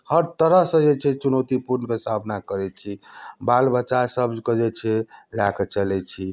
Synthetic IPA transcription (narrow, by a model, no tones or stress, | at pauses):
həɾt̪əɾəɦsə̃d͡ʒet͡ʃʰɛt͡ʃunot̪ipuɾnəkesabʱnakəɾɛt͡ʃʰibalbʱətːʃasəbd͡ʒkəd͡ʒɛt͡ʃʰɛlaket͡ʃəlɛt͡ʃʰi